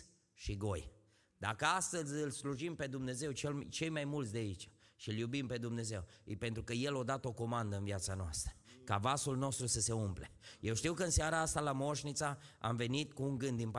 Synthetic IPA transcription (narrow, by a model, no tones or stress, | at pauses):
ʃiɡo̞j | d̪̥akəast̪əzʲɨlsluʒimpe̞d̪umne̞ze̞wt͡ʃelt͡ʃe̞jmajmult̪sd̪eait͡ʃḁʃiljubimpe̞d̪umne̞ze̞wpe̞nt̪ɾukəje̞lod̪at̪o̞ko̞mand̪əɨnviat̪sanoa̰st̪ɾəkavasulno̞st̪ɾusəse̞umpleje̞wʃt̪iwkəɨnseaɾaast̪alamo̞ʃnit̪saa̰mve̞nit̪kuːŋɡɨnd̪ːinp